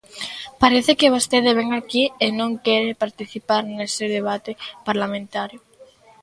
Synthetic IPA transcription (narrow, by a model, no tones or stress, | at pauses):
paɾeθɪkɪβost̪eðɪβ̞ɛŋakienõŋkɛɾɪpaɾt̪iθipaɾnesɪðeβ̞at̪ɪpaɾlamẽnt̪aɾjʊ